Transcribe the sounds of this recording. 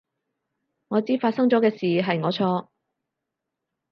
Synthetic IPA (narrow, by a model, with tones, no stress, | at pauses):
ŋɔː˨˧t͡siː˥faː˧t̚sɐ˥ŋt͡sɔː˨˥kɛː˧siː˨ɦɐ˨jŋɔː˨˧t͡sʰɔː˧